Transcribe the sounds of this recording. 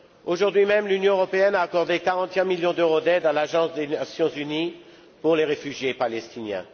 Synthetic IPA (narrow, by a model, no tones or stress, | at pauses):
oʒuʁd̪ɥimɛmlynjɔ̃øʁɔpeɛnaːkɔʁd̪ekaʁɑ̃t̪ɛ̃miljɔ̃d̪øʁod̪ɛd̪alaʒɑ̃sd̪enasjɔ̃zyni | puʁleʁefyʒjepalɛst̪injɛ̰̃